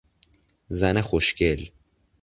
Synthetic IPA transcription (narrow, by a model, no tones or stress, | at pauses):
zænexoʃcel